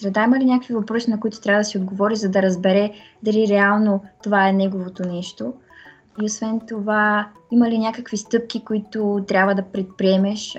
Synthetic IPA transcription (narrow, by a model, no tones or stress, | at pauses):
sɾɛd̪aimɐlinʲakəkvivɐpɾɔsinɐkoit̪ʊ̥t̪ɾʲavəd̪ɐsiod̪ɡovɔɾizɐd̪ɐɾɐzbɛɾɛ | d̪ɐliɾɛalˠnot̪ovaɛnɛɡovot̪onɛʃt̪o | iosvɛnt̪ova | imɐlinʲjakəkvist̪ɤp̚k̟ʲikoit̪ot̪ɾʲabvəd̪ɐpɾɛt̪̚pɾiɛmɛʃ